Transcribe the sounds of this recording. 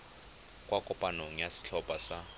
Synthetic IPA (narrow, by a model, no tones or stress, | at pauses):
kʼwʔakʼɔpʼanoŋ̩jasɪ̥t͡ɬʰɔpʼasa